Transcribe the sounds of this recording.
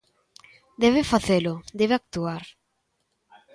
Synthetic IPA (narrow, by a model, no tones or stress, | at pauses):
d̪ɛβɪfaθelʊd̪ɛβeak̚t̪uaɾ